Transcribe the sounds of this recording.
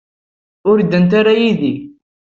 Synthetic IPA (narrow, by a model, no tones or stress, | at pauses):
ʊɾid̪ːənt̪aɾajiði